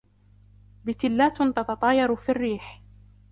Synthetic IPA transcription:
bɪt̪ɪlːaːt̪t̪ɑt̪ɑt̪ˤɑːjɑɾfirːiːħ

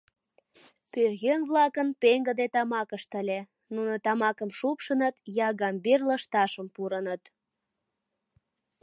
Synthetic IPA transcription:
pørɣønβlɑkənpeŋɡəd̪et̪ɑmɑkəʃt̪əlʲe | nunot̪ɑmɑkəmʃupʃənət̪jɑɣɑmberləʃt̪ɑʃəmpuɾənət̪

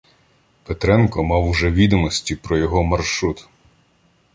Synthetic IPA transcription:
pet̪ɾɛnkɔmɑwʒɛʋʲid̪ɔmɔsʲtʲipɾɔjɔɦɔmɐrʃɾut̪

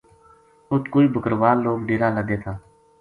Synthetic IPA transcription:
ʊt̪koːiːbəkəɾʋaːlːoːɡɖeːɾaːləd̪eːt̪ʰaː

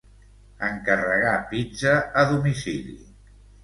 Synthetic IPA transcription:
əŋkərəɣapid͡ʒəːðumisilḭ

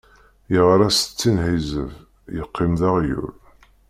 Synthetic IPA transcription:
jəʁɾæst͡sːinhizə̰v | jəqːimðaʁjṵl

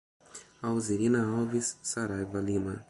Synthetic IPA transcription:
awzeɾinɐawvisːaɾajvalimɐ

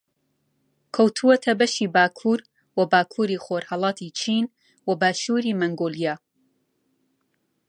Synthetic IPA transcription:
kʰɐwt̪ʰuwɐt̪ʰɐbɐʃiːbaːkʰuːɾ | wɐbaːkʰuːɾiːxoːɾhɑlˠɑːt̪ʰit͡ʃʰin | wɐbaːʃuːɾiːmɐŋɡoːlijaː

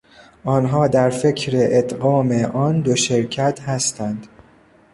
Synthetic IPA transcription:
ʔɒːnɦɒːd̪æɾfe̞cʰɾeʔet̪ɢɒːme̞ʔɒːnd̪o̞ʃe̞ɾcʰæt̪ʰhæst̪ænd̪̥

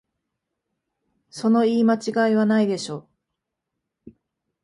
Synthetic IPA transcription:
so̞no̞iːmat͡ɕiɡaiβanaid̪e̞ɕo̞ː

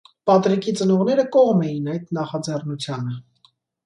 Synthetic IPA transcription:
pɑt̪ɾikʰit͡sənɔʁnɛɾəkɔʁmɛjinɑjd̪nɑχɑd͡zɛrnut͡sʰjɑnə

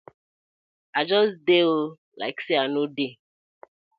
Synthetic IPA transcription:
ad͡ʒɔsdeo | la̰ɪkseanode

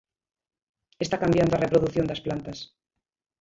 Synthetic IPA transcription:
est̪akambjand̪oarepɾoðuθjond̪ɐsplant̪ɐs

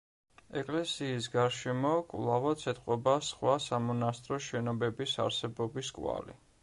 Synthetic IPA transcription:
ɛkʼlɛsiːs̬ɡaɾʃɛmɔkʼlˠavat̪sʰɛt̪ʼqʼɔbasχwasamɔnast̪ʼɾɔʃɛnɔbɛbisa̰ɾsɛbɔbiskʼwa̰lḭ

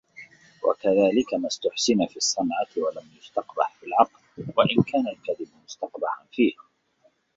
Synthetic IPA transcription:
wa̰kaðaːlɪkamast̪ʊħsɪnafiːɑsˤːɑnʕawalamjʊst̪ɑqba̰ħfɪlʕɑqlwaʔɪnkaːnalkaðɪbmʊst̪ɑqbaʕanfiːh

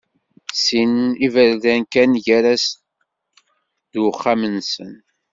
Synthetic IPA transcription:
sinivəɾlænkænʝæɾæs | ðwəχːamənsə̰n

